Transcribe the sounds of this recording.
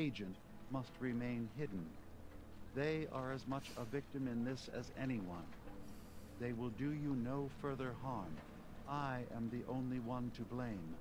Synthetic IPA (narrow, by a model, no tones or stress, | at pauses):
eɪd͡ʒɨ̃nʔ | mʌst̚ɹɨmẽɪ̃nɦɪdⁿn̩ | ðeɪʔə˞ɨzmʌt͡ʃəvɪk̚tɨ̃mɨ̃nðɪsɨ̰zɛñiwʌ̰̃n | ðeɪwɪlˠdɨjɨnoʊfɜ˞ðə˞ɦɑɹm | ʔaɪʔɨ̃mðiʔõ̰ʊ̃nliwʌ̃ntʰɨblẽɪ̃m